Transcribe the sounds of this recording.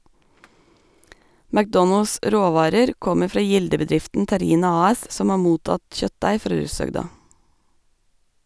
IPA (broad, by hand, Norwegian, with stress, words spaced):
mækˈdɔnəls ˈʔɾoːˌʋɑːɾəɾ ˈkɔmə ˈfɾɑː ˈjɪldəbəˌdɾɪftn̩ tæˈɾiːnɑ ˌɑːˈɛs ˈsɔm ˈɑː ˈmuːtɑt ˈçœtˌdæɪ ˈfɾɑː ˈɹʉːsœɡdɑ